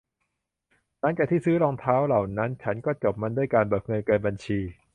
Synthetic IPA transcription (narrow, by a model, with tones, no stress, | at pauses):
na˦˥˩ŋt͡ɕaː˨˩k̚t̪ʰiː˥˩sɯː˦˥lɔː˧ŋt̪ʰaː˦˥wla˨˩wna˦˥nt͡ɕʰa˦˥nkɔː˥˩t͡ɕo˨˩p̚ma˧ndu˥˩əjkaː˧nbɯː˨˩k̚ŋɤ˧nkɤː˧nba˧nt͡ɕʰiː˧